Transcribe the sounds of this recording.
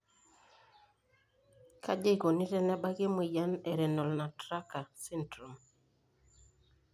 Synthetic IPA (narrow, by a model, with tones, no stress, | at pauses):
kʰa̰˦d͡ʒe˦˨ko˨ni˦ɾɛ˦nɛ˦ba˦ɡe˦mu˨ja˦nɛ˨ɾɛ˨nɔ˨lna˨tɾa˦ka˨sɛ˦ntɾo˨m